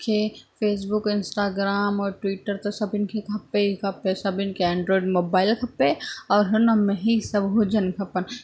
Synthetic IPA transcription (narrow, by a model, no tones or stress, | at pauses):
kʰepʰeːs̬bʊkɪ̃nsʈaːɡɾaːmɔːɾʈwiːʈəɾt̪osɐbɪnkʰekʰɐpeɦikʰɐpẽsɐbɪnkeɛ̃ːɳɖɾoːiɖmoːbaːɪlkʰɐpeɔːɾɦʊnamẽɦisɐbɦoːd͡ʒənkʰɐpən